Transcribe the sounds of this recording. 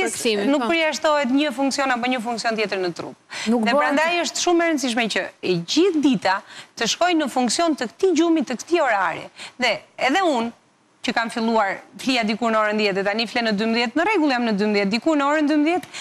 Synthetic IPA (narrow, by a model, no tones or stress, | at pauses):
nuk̚pəɾjaʃt̪ɔɦɛt̪ɲəfuŋksiɔnap̬ɔɲəfũŋksijɔnt̪jɛt̪əɾnət̪ɾṵp̚nuðɛpəɾand̪ajəʃt̪ʃumɛɾənsiʃ̬mɛcəɛɟiθd̪it̪at̪əʃkɔjnəfuŋksijɔnt̪əkt̪id͡ʑumit̪ːəkə̥t̪iɔɾaɾɛ̰ðɛɛðɛun | cəkamfilˠuaɾfliad̪ikuɾnəɔɾənd̪jɛt̪ɛt̪aniflɛnəd̪ymðjɛt̪nərɛɡulˠjamnəd̪ymðjɛt̪̚d̪ikuɾnəɔɾənd̪ymðjɛt̪